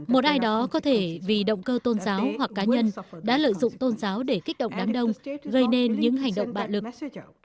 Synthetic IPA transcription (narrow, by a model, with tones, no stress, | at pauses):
mo˨˩t̚ʔaː˧jɗɔ˨˦kɔ˨˦t̪ʰe˧˩vi˨˩ɗə̰˧˨wŋ͡mkəː˧t̪o˧nzaː˨˦whwa˨˩k̚ːaː˨˦ɲə˧nɗa̰ː˧˥lə̰ː˧˨jzʊ̰˧˨ŋ͡mt̪o˧nzaː˨˦wɗe˧˩kï˦˥k̟̚ɗə̰˧˨wŋ͡mɗaː˨˦ŋɗə˧wŋ͡mɣə˧jne˧nɲɨ̰˧˥ŋɦa˨˩jŋ̟ɗə̰˧˨wŋ͡mɓa̰ː˧˨wlɨ˨˩k̚